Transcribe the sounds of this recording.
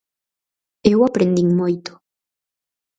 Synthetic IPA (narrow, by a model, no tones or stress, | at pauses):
ewapɾend̪iŋmojt̪o̥